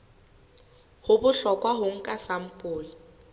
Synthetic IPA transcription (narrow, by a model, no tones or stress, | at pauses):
hʊbʊɬɔkʼwaɦʊŋ̩kʼasam̩pʼʊːli